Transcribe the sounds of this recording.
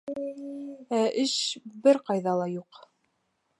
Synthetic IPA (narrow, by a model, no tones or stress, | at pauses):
æʔɘʃbɘɾqɑjðɑlˠɑjuq